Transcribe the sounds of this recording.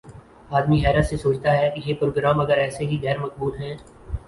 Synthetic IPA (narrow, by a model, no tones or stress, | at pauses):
aːd̪miɦɛːɾət̪sesoːt͡ʃt̪aɦɛkjepɾoːɡɾaːmɐɡəɾɛːseɦiɣɛːɾmɐk̚buːlɦɛ̃ː